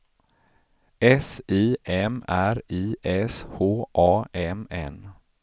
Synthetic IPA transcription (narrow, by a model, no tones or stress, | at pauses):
ɛsiːʔɛmæɾiːʔɛshoːʔɑːɛmɛ̰n